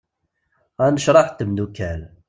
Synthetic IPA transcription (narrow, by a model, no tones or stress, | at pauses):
ænəʃɾˤɑħt̪ːəmnukæl